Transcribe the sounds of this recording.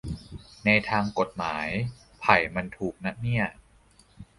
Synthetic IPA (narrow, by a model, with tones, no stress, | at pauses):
na˧jt̪ʰaː˧ŋko˨˩t̪̚maː˩˦j | pʰa˨˩jma˧nt̪ʰuː˨˩k̚na˦˥ni˥˩ɐ